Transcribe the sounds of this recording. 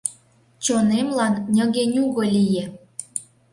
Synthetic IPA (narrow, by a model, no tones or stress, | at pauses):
t͡ɕonemlɑnnʲə̆ɣenʲuɣolʲije